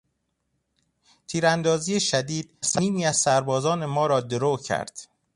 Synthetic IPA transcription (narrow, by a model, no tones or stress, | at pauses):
t̪ʰiːɾænd̪ɒːziːeʃæd̪iːd̪̥̚sæniːmiːæzsæɾbɒːzɒːne̞mɒːɾɒːd̪eɾoːcʰæ̰ɾd̪̥